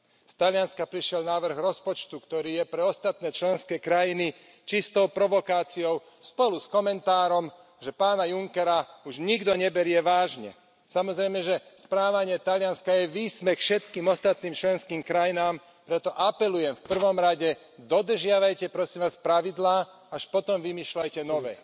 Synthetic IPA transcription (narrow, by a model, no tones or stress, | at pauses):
st̪alɪanskapɾiʃɪɛlnaːʋr̩ɣɾɔspɔt͡ʃt̪ukt̪ɔɾiːjɛpɾɛɔst̪at̪̚nɛːt͡ʃlɛnskɛːkɾajini | t͡ʃist̪ɔʊpɾɔʋɔkaːt͡sijɔʊ | spɔluskɔmɛnt̪aːɾɔm | ʒɛpaːnajuŋkɛɾauʒɲiɡd̪ɔɲɛbɛɾɪɛʋaːʒɲɛ̰ | samɔzɾɛjmɛʒɛspɾaːʋaɲɪɛt̪alɪanskajɛʋiːsmɛxfʃɛt̪kiːmɔst̪at̪niːmt͡ʃlɛnskiːmkɾajinaːm | pɾɛt̪ɔʔapɛlujɛmfpr̩ʋɔmɾaɟɛ | d̪ɔd̪r̩ʒɪaʋajcɛpɾɔsiːmʋaːspɾaʋid̪laː | aʃpɔt̪ɔmʋimiːʃlajcɛnɔʋɛ̰ː